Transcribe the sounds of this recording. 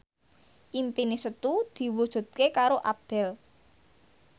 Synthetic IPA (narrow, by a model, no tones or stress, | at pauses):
ʔimpinisət̪ud̪̥i̤wud̥ʒ̥ṳt̪̚kekaɾoʔap̚d̪̥ɛ̤l